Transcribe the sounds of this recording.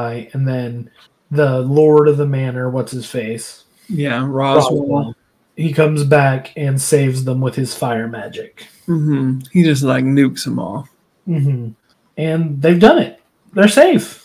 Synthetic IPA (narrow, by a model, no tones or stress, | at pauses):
ɪɨ̃nðɨ̃n | ðəlɔɹɾʌvðəmæ̃nə˞wʌtshɨz̥feɪs | jæɹɑzˠ | hikʰʌ̃mzbækʰɨ̃nseɪvzðə̃mwəð̥ɨz̥faɪə˞mæd͡ʒɪk | m̩m̥m̩hid͡ʒʌs̬tˡlaɪk̚nʉksə̃mɔ̰lˠ | m̩m̥m̩ | ɨ̃nðeɪvdʌ̃nɪt̚ | ðə˞seɪf